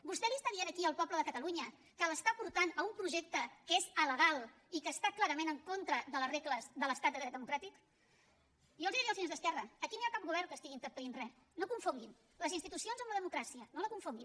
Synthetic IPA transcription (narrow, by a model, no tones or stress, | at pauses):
bust̪ɛlist̪ənienəkiəlˠpɔbləðəkət̪əluɲə | kələst̪apuɾt̪anəumpɾuʒek̚t̪əkezələɣ̞alˠ | ikəːst̪aklaɾəmenəŋkont̪ɾəðələsrekləzðələst̪at̪d̪əɾɛt̪d̪əmukɾat̪ik | ʒɔlˠzðiɾiəlˠzðienzðəskɛrəːkinojakap̚ɣuβ̞ɛrŋkəst̪iɣint̪əɾp̪əninrɛ | nokuɱfuŋɡin | ləzinst̪it̪usionzəmləðəmukɾasiənoləkuɱfuŋɡi